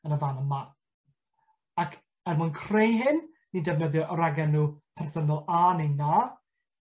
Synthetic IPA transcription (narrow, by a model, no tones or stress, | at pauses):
ənəvanəmmaθ | akʰ | ɛrmʊnkʰr̥ejɦɪnː | idɛvnəðjɔʔɔɾaɡɛnːuːpʰɛrθənɔlˠanejna